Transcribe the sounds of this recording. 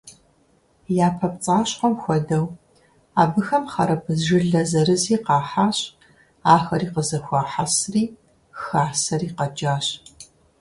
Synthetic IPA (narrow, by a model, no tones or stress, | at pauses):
jaːpʰɐpt͡sʼaːɕqɔmxʷɔdɐw | aːbɨxɐmχɐɾɐpʰɨzʒɪɮɐzɐɾɨziːqɑːħaːɕʼ | aːxɐriːqəzɐxʷɑːħasriː | xaːsɐriːqɐd͡ʒaːɕ